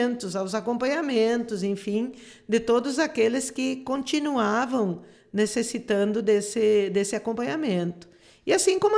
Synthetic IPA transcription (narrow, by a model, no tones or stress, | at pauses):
nt̪ʊzawzakõmpɐ̃ɲamẽnt̪ʊzẽj̃fĩ | d̪ɪt̪od̪ʊzakelɪskɪkõnt͡ʃ̪inuavɐ̃w̃ | nesesit̪ɐ̃nd̪ʊd̪esɪd̪esɪakõmpɐ̃ɲamẽnt̪ʊ̥ | ɪasĩkõmʊ